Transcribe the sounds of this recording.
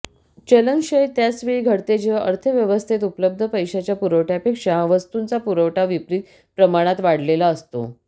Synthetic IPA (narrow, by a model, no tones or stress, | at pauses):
t͡ɕələŋɕəjt̪jasʋiɡʱəɽt̪ed͡ʑeʔəɾt̪ʰəʋjəʋəst̪ʰet̪̬upləb̚d̪ʱəpəjɕat͡ɕjapuɾəʋʈjapekʂaʋəst̪unt͡sapuɾəʋʈaʋipɾiːt̪̚ | pɾəmaɽ̃at̪ʋaɽlelaəst̪o̰